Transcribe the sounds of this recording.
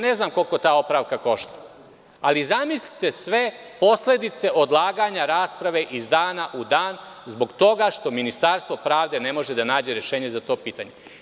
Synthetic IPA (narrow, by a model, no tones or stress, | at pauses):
ne̞znaːmko̞lˠko̞t̪aːo̞pɾaʋkako̞ʃt̪ḁ | alizamislit̪e̞sʋe̞ | po̞sle̞d̪it̪se̞ʔo̞d̪lˠaːɡaɲaɾaːspɾaʋe̞ʔizd̪aːnaʔud̪aːn | zbo̞ɡt̪o̞ɡaʃt̪o̞minist̪aɾst̪ʋo̞pɾaːʋd̪e̞ne̞mo̞ʒed̪anaːd͡ʑe̞ɾeʃeːɲe̞zat̪o̞ːpiːt̪a̰ɲe̞